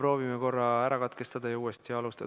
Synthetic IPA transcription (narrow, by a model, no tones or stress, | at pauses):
pro̞ːvimeko̞rːɑæɾɑkɑt̪ke̞st̪ɑd̪̥ɑjɑuːest̪iɑlust̪ɑ